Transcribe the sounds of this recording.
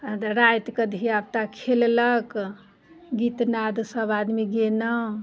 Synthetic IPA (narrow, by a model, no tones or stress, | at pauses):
ɾajt̪kəd̪ʱiab̚t̪akʰellək | ɡit̪nad̪səbad̪miɡenə